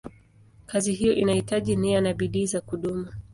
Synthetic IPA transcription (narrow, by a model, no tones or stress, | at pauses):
kaziɦijɔʔinahitaʄinianaɓiɗiːzakuɗumu